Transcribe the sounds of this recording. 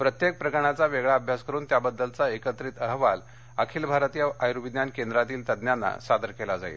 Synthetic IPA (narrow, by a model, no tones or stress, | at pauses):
pɾət̪jek̚pɾəkəɳ̃at͡saʋeɡɭaəbʱjaskəɾuːnt̪jabəd̪ːəlt͡saekət̪ɾit̪əɦʋal | əkʰiːlbʱaɾət̪ijaajɾuʋid̪jankend̪ɾat̪iːlt̪əd̪njanːa̰sad̪əɾkelad͡za̰ḭːl